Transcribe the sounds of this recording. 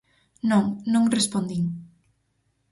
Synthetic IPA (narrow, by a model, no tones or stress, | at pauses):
nõŋnõŋrespond̪iŋ